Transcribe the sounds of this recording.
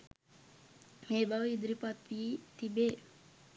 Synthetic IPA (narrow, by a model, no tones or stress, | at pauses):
meːbaʋid̪ɾipɔt̪ʋiːt̪ibe